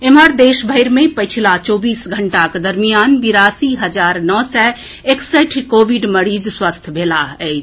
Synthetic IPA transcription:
emɦəɾd̪eʃbʱəjɾmepəjt͡ʃʰilat͡ʃobisɡʱəɳʈaked̪əɾmijanbiɾasiɦəd͡ʒaɾnɔsɛ | eksɛʈʰkobiɖməɾid͡ʒswəst̪ʰbʱelaɛɪt͡ʃʰ

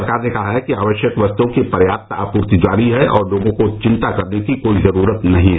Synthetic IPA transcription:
ɾəkaːɾnekɐɦaɦɛkiaːʋəʃjəkʋəst̪õkepɐɾjaːp̚t̪a̰ːpuːɾt̪id͡ʒaːɾiɦɛʔɔːɾloːɡõkot͡ʃɪ̃nt̪akɐɾnekikoːizɐɾuːɾət̪nɐɦĩɦɛː

